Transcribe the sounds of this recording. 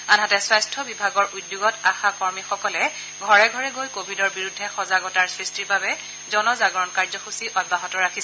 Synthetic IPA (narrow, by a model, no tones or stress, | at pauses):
anɦatɛswajstʰɔbibʱaɡɔɹudjuɡɔtaxakɔɹmixɔkɔlɛ | ɡʱɔɹɛɡʱɔɹɛɡojkobʱidɔɹbiɹudʱːɛxɔzaɡɔtaɹsɹistiɹbabɛ | zɔnɔzaɡɔɹɔnkaɹzɔxusiʔɔd̚baɦɔtɔɹakʰis